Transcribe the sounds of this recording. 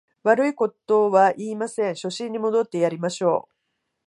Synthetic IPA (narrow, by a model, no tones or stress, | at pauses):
βaɾɯ̟iko̞t̪o̞βaʔiːmasẽ̞ɰ̃ɕo̞ɕĩɲ̟ːimo̞d̪o̞t̪ːe̞jaɾʲimaɕo̞̰ː